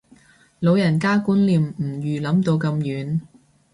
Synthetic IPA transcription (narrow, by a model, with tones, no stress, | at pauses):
lo˨˧wjɐ˨˩nkaː˥kuː˨˥nliː˨˧mm̩˨˩jyː˨lɐ˨˥mt̪o˧wkɐ˧mjyː˨˥n